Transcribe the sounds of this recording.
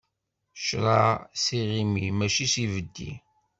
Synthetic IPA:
ʃɾˤɑsiʁimimæʃisivəd̪ːḭ

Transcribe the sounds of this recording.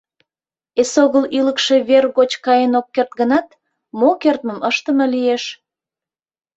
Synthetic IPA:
esoɣəlyləkʃe̽βerɣot͡ɕkɑjenokːert̪̚ɡənɑt̪ | mokert̪məməʃt̪əməlijeʃ

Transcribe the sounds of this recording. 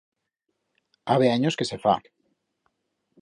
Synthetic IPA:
aβeaɲoskese̞fa̰

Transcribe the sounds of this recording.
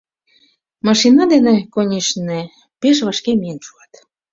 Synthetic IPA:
mɑʃinɑd̪enekonʲiʃne | peʃ̬βɑʃkemijenʃuɑt̪

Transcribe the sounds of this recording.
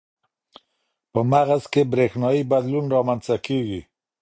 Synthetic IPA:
pɔmaʁaskebɾexnɔibad̪lunɾɔmant͡sakiɡi

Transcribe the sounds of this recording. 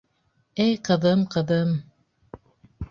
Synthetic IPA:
ejqɤ̆ðɤmqʰɤ̆ðɤm

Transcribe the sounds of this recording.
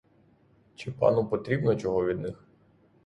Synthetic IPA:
t͡ʃɪpɑ̰nupɔt̪ɾʲibnɔt͡ʃɔɦɔʋʲid̪nɪx

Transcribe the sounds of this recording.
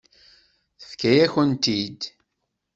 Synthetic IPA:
θə̥fkæjæçənt̪id̪

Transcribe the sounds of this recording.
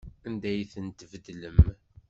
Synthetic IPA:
ænd̪æjθənt̪əvəd̪ləm

